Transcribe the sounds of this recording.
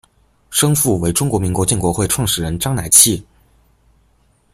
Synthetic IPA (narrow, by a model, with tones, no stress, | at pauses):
ʂɤ˥ŋfu˥˩we˧˥ɪʈ͡ʂʊ˥ŋkwɔ˧˥mi˧˥ŋkwt͡ɕɛ˥˩nkwɔ˧˥xwe˥˧ɪʈ͡ʂʰwɑ˥˩ŋʂɻ̩˨˩ɻə˧˥nʈ͡ʂɑ˥ŋna˨˩ɪt͡ɕʰi˥˩